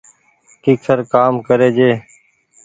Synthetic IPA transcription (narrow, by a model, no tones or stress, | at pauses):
kiːksəɾkaːmkəɾeːd͡ʒeː